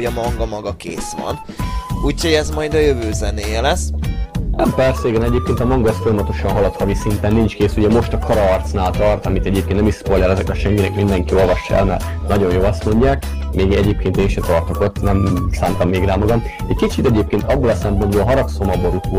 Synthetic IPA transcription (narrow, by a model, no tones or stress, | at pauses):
ɒmɒŋɡɒmɒɡɒkḛːsʋɒ̰n | uːchoɟɛzmɒjd̪ɒjøvøːzɛneːjɛlɛsnʔɛmpɛrseːɡɛnɛɟeːp̚keːnt̪ɒmɒŋɡɒsfo̞jɒmɒt̪o̞ʃɒnɦɒlɒt̪hɒvisint̪ɛnːint͡ʃkeːsuɟɛmo̞ʃt̪ɒkʰɒɾɒːrt̪snaːlt̪ɒrt̪ɒmit̪ɛɟeːp̚keːnt̪ɛmiʃspojlɛlɛzɛkɛʃɛŋkinɛkmind̪ɛŋkio̞lvɒʃːɛ̰lmɛ̰r | nɒɟo̞njoːlɒst̪mo̞ɲɟaːk | meːɡɛɟeːp̚keːnt̪eːnʃɛt̪ɒrt̪o̞ko̞t̪ːnɛmsaːmt̪ɒmːeːɡraːmɒɡɒmɛckit͡ʃit̪ɛɟeːp̚keːnt̪ɒbːolɒsɛmpo̞nd̪boːlɦɒɾɒksomɒbo̞ɾut̪u